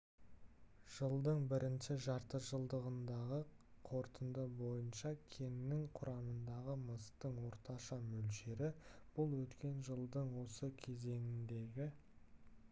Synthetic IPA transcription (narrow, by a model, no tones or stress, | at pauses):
ʒ̥əlˠd̪əɴbɪɾɪnʃɪʒɑɾt̪əʒəlˠd̪əʁənd̪ɑʁə | qʰo̞ɾt̪ənd̪əbo̞jənʃɑkʲʰe̞nːɪŋqʰʊɾʔɑmənd̪ɑʁəməst̪əɴwo̞ɾt̪ɑʃɑmɵlʃe̞ɾɪb̥ʊlˠwɵt̪kʲe̞nʒəlˠd̪əɴwo̞səkʲʰe̞ze̞ŋɪnd̪e̞ɡʲɪ